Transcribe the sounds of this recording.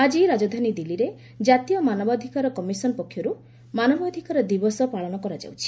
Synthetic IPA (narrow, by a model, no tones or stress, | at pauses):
ad͡ʒiɾad͡ʒɔd̪ʱanid̪iliɾe | d͡ʒat̪ijɔmanɔbɔd̪ʱikaɾɔkɔmisɔnɔpɔkʰːjɔɾu | manɔbɔd̪ʱikaɾɔd̪ibɔsɔpaɭɔñɔkɔɾad͡ʒa̰wt͡ʃʰi̥